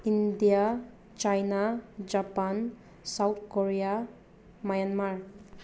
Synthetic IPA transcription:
indija | t͡ʃajnad͡ʒapan | sawt̪̚ʰkɔɹija | majanmaɹ

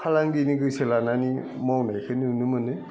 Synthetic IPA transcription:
kʰalaŋdinɯɡɯselanani | mawnajkʰɯnɯunɯmɯnɯ

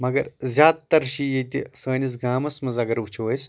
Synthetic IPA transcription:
mɐɡɐɾzʲaːd̪̚t̪ɐɾʃijet̪ʲisəːnis̬ɡaːmɐsmɐzaːɡɐɾʋut͡ʃʰuʋəjs

